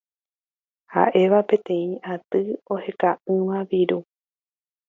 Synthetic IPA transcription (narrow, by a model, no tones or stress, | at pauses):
ha̰ʔe̞ʋapẽ̞t̪ẽ̞ĩʔat̪ɨohe̞kaʔɨ̃ʋãʋiɾu